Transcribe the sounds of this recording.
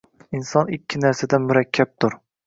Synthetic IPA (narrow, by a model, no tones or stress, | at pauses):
insɒnɪkʲʰːɪnæɾsad̪amʊɾakʲʰːap̚t̪ʰʊɾ